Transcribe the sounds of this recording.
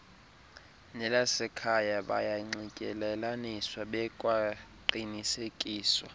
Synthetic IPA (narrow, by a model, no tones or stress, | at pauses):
nɛlasɛkʰajaɓa̰jaŋ͡ǀikʼɛlɛlaniswaɓɛkʼwaǃinisekʼiːswa